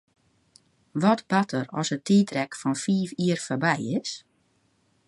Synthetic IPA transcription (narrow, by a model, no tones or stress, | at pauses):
ʋɔtb̥atʰərɔ̰sətiːtrɛkfɔnfiːfiərfɔbɛjɪs